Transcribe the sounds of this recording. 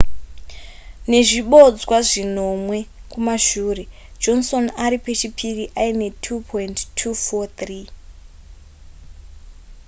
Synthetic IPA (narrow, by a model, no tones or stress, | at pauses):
ne̞ʐiɓo̞d͡zwaʐino̞mwe̞kumaʃuːre̞ | d͡ʒo̞nso̞naɾipet͡ʃipʰiriʔaine̞tʰupʰointtʰːufot̪riː